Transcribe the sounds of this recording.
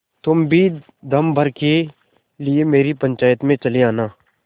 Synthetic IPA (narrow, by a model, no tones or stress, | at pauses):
t̪ʊmbʱi | d̪ʱɐmbʱɐɾke | liemeːɾipɐ̃ɲt͡ʃaːjət̪mẽt͡ʃɐleaːnaː